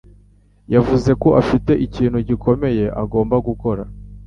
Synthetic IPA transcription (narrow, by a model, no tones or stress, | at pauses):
javuze̞ko̞ʔafite̞ʔiciːn̤̥huɟiko̞me̞je̞ʔa̰ɡo̞ːmbaɡuko̞ɾa